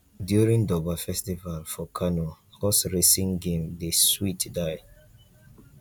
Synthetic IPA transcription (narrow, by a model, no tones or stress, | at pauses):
djuɹĩŋdɔbafɛstivalfɔkʰanohɔsɹesĩŋɡẽmdeswitdaɪ